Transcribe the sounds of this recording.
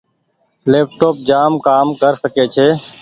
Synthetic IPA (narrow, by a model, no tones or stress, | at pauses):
leːp̚ʈoːp̚d͡ʒaːmkaːmkəɾsəkeːt͡ʃʰeː